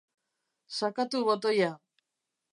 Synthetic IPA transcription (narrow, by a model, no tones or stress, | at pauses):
sakat̪uβot̪̬oja